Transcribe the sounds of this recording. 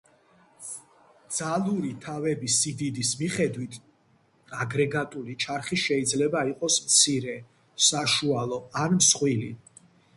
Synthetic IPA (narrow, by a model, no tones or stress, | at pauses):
d̪z̥alˠuɾit̪ʰavɛbisid̪id̪ismiχɛd̪wit̪ʰ | aɡɾɛɡat̪ʼulit͡ʃʰaɾχiʃɛid̪zlɛbaiqʼɔsmt̪sʰiɾɛ | saʃualˠɔanmsχʼwilḭ